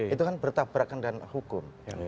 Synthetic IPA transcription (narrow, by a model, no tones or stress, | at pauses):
it̪ukanbərt̪abɾakandanhukʊm